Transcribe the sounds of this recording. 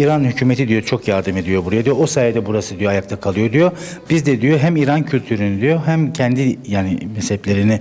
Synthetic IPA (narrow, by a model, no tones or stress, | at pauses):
iːɾanhycʰyːmet̪ʰid̪ijo̞t͡ʃʰo̞kjaɾd̪ɯme̞d̪ijo̞buɾajad̪ijoosaːjad̪ɛbuɾasɯd̪ijoajakt̪ʰakʰalˠɯjo̞d̪ijo̞ | b̥izd̪ɛd̪ijo̞ɦæmiːɾancʰylʲt̪ʰyɾynid̪ijo̞ɦæmcʰɛnd̪ijaːnḭmɛshɛplʲe̞ɾini